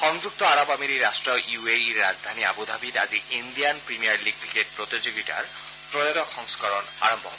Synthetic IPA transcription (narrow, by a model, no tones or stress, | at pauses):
xɔŋd͡ʒuk̚t̪ɔaɾɔbamiɾiɾasʈɹɔjueiɹːa̰zd̪ʱania̰bud̪ʱabita̰ziind̪ijanpɹimijaɹliɡ̚kiket̚pɹot̪izoɡiʈa̰ɹ | pɹodɔtɔkʰɔŋskɔɹɔna̰ɹɔmbʱɔ̰